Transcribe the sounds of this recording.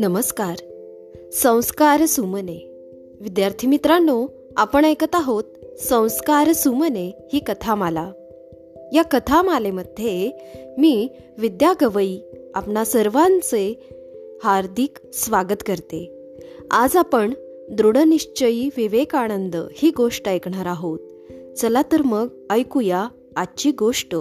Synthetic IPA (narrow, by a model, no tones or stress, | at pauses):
nəməskaɾ | sə̃w̃skaɾsuməne | ʋid̪jaɾt̪ʰimit̪ɾanːo | apəɳekət̪aɦot̪̚sə̃w̃skaɾsumənehiːkət̪ʰamala | jakət̪ʰamaleməd̪ʱjemiː | ʋid̪jaɡəʋəiːapɳasəɾʋãnt͡se | haɾd̪ʱiksʋaɡət̪kəɾt̪e | ad͡zapəɳ | d̪ɾuɽəniɕt͡ɕəiːʋiʋekaɽ̃ənd̪əhiːɡoʂʈəekɳaɾaɦot̪̚ | t͡səlat̪əɾməɡ | əjkujaː | t͡ɕiːɡoʂʈə